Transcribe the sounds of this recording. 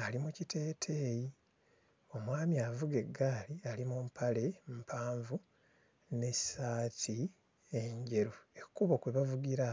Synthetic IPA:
alimucitʰe̞ːtʰe̞ːji | o̞mwaːmiavuɡe̞ɡːaːlialimumpʰale̞m̩pʰaːɱvu | ne̞saːtʰi | eɲɟe̞ɾuekukuβokweβavuɡiɾa

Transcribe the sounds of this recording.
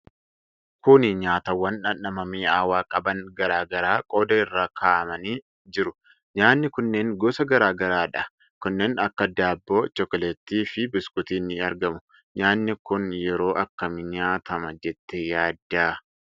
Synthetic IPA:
kʊnɪɲaːt̪ɐwːɐnɐnɐmɐmiːaːwaːkʼɐbɐnɡɐɾaːɡɐɾaːkʼo̞ːd̪ɐɪrːaːkʰaːʔɐmɐniː | d͡ʒɪɾʊ | ɲaːnːɪkʊnːeːŋɡɔːsɐɡɐɾaːɡɐɾaːᶑɐ | kʊnːeːnɐkːɐd̪aːbːo̞ːt͡ʃɔkɔlɛt̪ːiːfɪbɪskʼʊt̪iːnːɪɐɾɡɐmʊ̥ | ɲaːnːɪkʊnjɛɾo̞ːʔɐkːɐmɪɲaːt̪ɐmɐd͡ʒɛt̪ːɛjaːd̪ːaː

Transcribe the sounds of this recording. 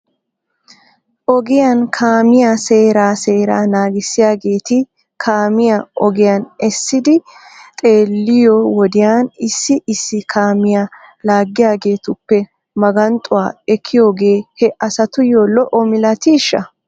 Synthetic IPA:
ʔɔɡɪjankʰaːmɪjase̞ːɾaːse̞ːɾaːnaːɡɪsːɪjaːɡe̞ːt̪ɪ | kʰaːmɪjaʔɔɡɪjɐnɛsːɪd̪ɪt̪ʼe̞ːlːɪjɔwɔd̪ɪjaːnɪsːɪʔɪsːɪkʰaːmɪja | laːɡːɪjaːɡe̞ːt̪ʊpːɛ | mɐɡɐnt̪ʼʊwaːɛkʰːɪjo̞ːɡe̞ːhɛʔɐsɐt̪ʊjolɔʔɔmɪlɐt̪iːʃːɐ

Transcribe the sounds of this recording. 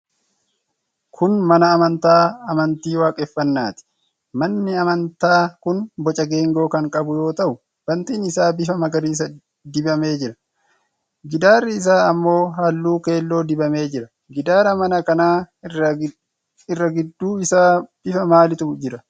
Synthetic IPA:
kʰʊnmɐnɐːmɐnt̪aːɐmɐnt̪iːwaːkʼɛfːɐnːaːt̪ɪ̥ | mɐnːɪɐmɐnt̪aːkʊnbɔt͡ʃʼɐɡe̞ːŋɡo̞ːkɐŋkʼɐbʊjo̞ːt̪ɐʔʊ | b̥ɐnt̪iːnɪsaːbɪfɐmɐɡɐɾiːs̬ɐ | d̪ɪbɐme̞ːd͡ʒɪɾɐ̥ | ɡɪd̪aːrːɪːs̬aːɐmːo̞ːɦɐlːuːke̞ːlːo̞ːd̪ɪbɐme̞ːd͡ʒɪɾɐ | ɡɪd̪aːɾɐmɐnɐkɐnaː | ɪrːɐɡɪd̪ːuːɪsaːb̥ɪfɐmaːlɪt̪ʊd͡ʒɪɾɐ

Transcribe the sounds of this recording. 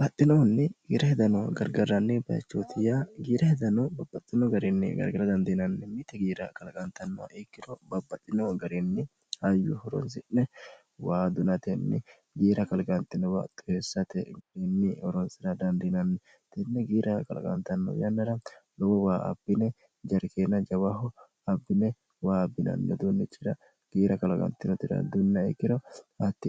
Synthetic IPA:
b̥ɐt̪ʼːɪnɔnːɛɡiːɾɐhɛd̪ɐnɔɡɐɾɡɐɾːɐnːɪbɐjɐ̰t͡ʃːot̪ʰɪjaɡiːɾɐhɛd̪ɐnɔbɐbːɐt̪ʼːɪnɔɡɐɾɛnːɪ̰ɡɐ̰ɾɡɐɾɐd̪ɐnd̪ɪnɐnːɛmɪt̪ɛɡiːɾɐkɐlɐkʼɐnt̪ɐnːɔa̰ʔɛkːɪnɔbɐbːɐt̪ʼːɪnɔɡɐɾɛnːɪ | hɐjʊhɔɾɔ̰nsɪnːɛ | waːd̪ʊnɐt̪ɛnːɛ̰ | ɡiːɾɐkɐlɡʼɐnt̪ːɪnɔwa̰ːt̪ːʊ̥hesːɐt̪ɛɡɐɾɛnːɪɔɾɔnsɪɾɐd̪ɐnd̪ɪnɐnːɛ | t̪ɛnːɛɡiːɾʔɐkɐ̰l̰kʼɐ̰nt̪ɐnːɔ̰jɐnːɐɾɐlɔwɔwaːʔɐ̰b̥ːɪnɛ | d͡ʒɐɾkeːnːɐd͡ʒɐwaɦɔ | ɐbːɪnɛ | waːbːɪnɐ̰nːɛ̰d̪unːɛt͡ʃʼɪɾɐ | ɡ̥iːɾɐkɐlɐkʼɐ̰nt̪ːɪnɔt̪ɪɾɐ̰d̪ʊnːɐɛ̰kːɪnɔɐt̪ːɪ

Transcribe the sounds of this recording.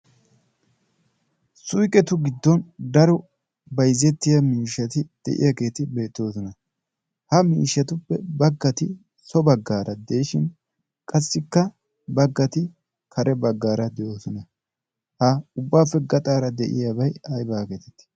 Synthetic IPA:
sʊjkʼɛt̪ʊɡɪd̪ːɔnd̪ɐɾɔ | bɐjzːɛt̪ːɪjɐmiːʃːɐt̪ɪd̪̥ɛ̰ʔɪ̰jake̞ːt̪ɪbe̞ːt̪ːo̞ːsɔnɐ | hɐmḭːʃːɐt̪ʊpːɛbɐɡːɐt̪ɪ | sɔbɐɡːaːɾʔɐd̪ejɪʃɪn | kʼɐsːɪkːɐ | bɐɡːɐt̪ɪ | kʰɐɾʔɛbɐɡːaːɾɐd̪ɛjo̞ːsɔnɐ | hɐʊbːaːfːɛɡɐt̪ʼaːɾɐd̪ɛʔɪ̰jabɐjɐjbaːkeːt̪ɛt̪ːɪ̥

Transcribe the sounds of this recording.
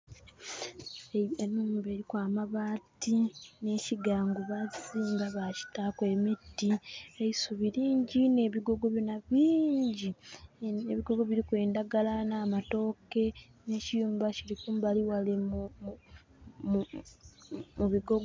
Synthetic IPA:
enːuːmbe̞ːɾikwaːmaβaːtine̞ciɡaːŋɡuβaziːmbaβaci̥takwe̞ːmitːieisuβiɾiːɲɟine̞ːβiɡo̞ɡo̞βjonaβiːɲɟi | eβiɡo̞ɡo̞βiɾikwe̞ːndaɡalanaːmato̞ːke̞ | ne̞ːcijuːmbaciɾikumbaliwale | m | muβiɡo̞ɡ

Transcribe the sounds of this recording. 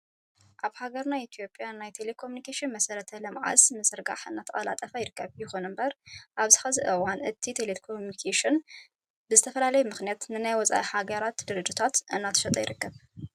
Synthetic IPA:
ʔaβhaɡɐɾnajit̪ʰijo̞pʼːjanajt̪ʰe̞lekʰo̞munikʰeʃɨnmɐsɐɾɐt̪ʰɐlɨmʕa̰smɨzɨɾɡa̰ħɨ̰nːat̪ʰɐχʼɐla̰t̪ʼɐfɐjɪɾɨkːɐβjɪxonɨmbɐɾʔaβzɨxɐzɨʔɨwanʔɨt̪ʰit̪ʰelekʰomunikʰeʃɪn | bɨzɨt̪ʰɐfɐlalɐjɛmɨxnijat̪nɨnajwɔt͡sʼa̰ʔihaɡɐɾat̪d̪ɨɾɨd͡ʒit̪ʰat̪ʔɨnːat̪ʰɐ̥ʃɐt̪ʼɐjɪɾɨkːɐβ

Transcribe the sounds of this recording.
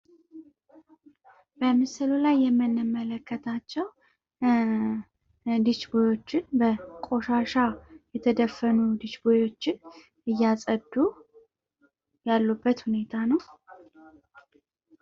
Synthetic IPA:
b̥əmɨsɨlulajːɛmːɨnːɨmːələkʰːət̪ʰat͡ʃːɛw | d̪ɨt͡ʃbojo̞t͡ʃːɪnbəkʼo̞ʃaʃajɛt̪ʰəd̪əfːənud̪ɨt͡ʃbojo̞t͡ʃːɪn | ɨjːasʼəd̪ːu | jalːubːət̪hune̞t̪ʰanəw

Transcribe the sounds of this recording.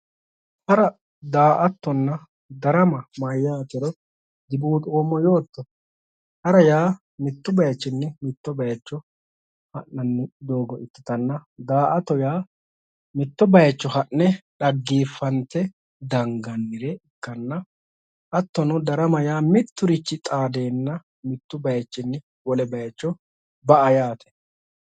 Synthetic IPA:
hɐɾɐ | d̪aːʔɐt̪ːɔnːɐ | d̪ɐɾɐmɐmaːjːaːt̪ɛɾɔ | d̪ɪbuːt̪ʼoːmːɔjoːt̪ːɔ | hɐɾɐjaː | mɪt̪ːɔbɐjɐt͡ʃːɪnːɛmɪt̪ːɔbɐjɐt͡ʃːɔ | hɐʔːɐnːɪd̪o̞ːɡɔʔɪt̪ːɪ̥t̪ɐnːɐd̪aːʔɐt̪ːɔjaː | mɪt̪ːɔbɐjɐt͡ʃːɔhɐʔnɛᶑɐɡːiːfːɐnt̪ɛ | d̪ɐŋɡɐnːɪɾɛɪkːɐnːɐ | ʔɐt̪ːɔnʊd̪ɐɾɐmɐjaːmɪt̪ːʊɾɪt͡ʃːɪt̪ʼaːd̪e̞ːnːɐ | mɪt̪ːʊbɐjɐt͡ʃːɪnːɪ | wɔlɛbɐjɐt͡ʃːɔ | bɐʔɐjaːt̪ʰɛ̥

